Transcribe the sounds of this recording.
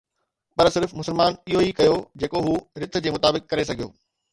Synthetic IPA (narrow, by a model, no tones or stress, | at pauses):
pɐɾsɪɾfmʊsəlmaːnɪɦoikɐjod͡ʑeːkoɦuːɾɪt̪̆ʰd͡ʑeːmʊt̪aːbɪkːɐɾesɐɡʱijo̰ː